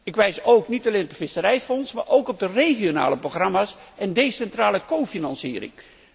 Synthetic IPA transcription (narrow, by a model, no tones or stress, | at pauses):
ɪkʋɛjsowknitalejnɔptfɪsəɾɛjfɔnsma̰ːɹʔowkɔb̚dərejχijona̰ːləproxrɑmaːsɛndejsɛntraːləkowfinɑnsiːɾɪ̰ŋ